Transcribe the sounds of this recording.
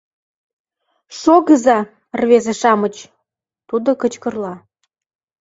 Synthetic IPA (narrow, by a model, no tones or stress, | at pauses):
ʃoɣəzɑ | rβezeʃɑmət͡ɕ | t̪ud̪okət͡ɕkərlɑ